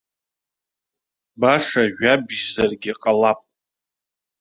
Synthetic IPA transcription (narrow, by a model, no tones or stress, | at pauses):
baʂaʒᶣabʒzarɡʲɪqʼalapʼ